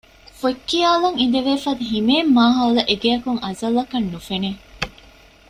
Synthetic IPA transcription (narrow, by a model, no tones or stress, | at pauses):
fuekːiaːlɐŋind̪eʋeːfɐd̪uɦimeːmːaːɦɐlɐʔeɡejɐkuŋʔɐzɐlːɐkɐnːufene